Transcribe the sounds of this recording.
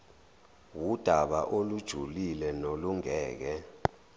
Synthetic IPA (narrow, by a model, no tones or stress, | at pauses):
wud̥ʱaɓa̰ʔolud̥ʒ̥ʱulilɛnoluŋɛːk̬ɛ